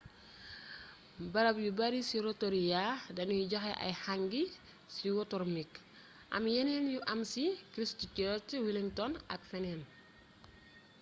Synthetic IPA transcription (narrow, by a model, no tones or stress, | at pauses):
bɐɾɐpjubɐɾisiɾɔtɔɾijadɐnujuɟɔxɛʔɐ̰jhaŋɡi | siwɔtɔɾmik | ʔɐ̰mjɛnɛnjuʔɐmsikɾistucɔtiwiliŋtɔnɐ̰k̚fɛnɛn